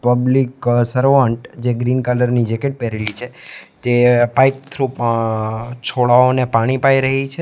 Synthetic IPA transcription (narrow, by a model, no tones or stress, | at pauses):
pəbliksəɾoʋãɳʈd͡ʒeɡɾinkaləɾnid͡ʒekeʈ̚pɛɾelit͡ʃʰet̪epajp̚t̪ʰɾup | t͡ʃʰoɭaonepaɽ̃ipaiɾəɦit͡ʃʰe